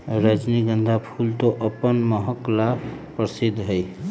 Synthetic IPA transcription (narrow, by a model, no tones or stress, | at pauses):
ɾəd͡ʒniɡə̃nd̪ʱapʰult̪oʔəpənməɦəkla | pəɾsɪd̪ʱːɦəi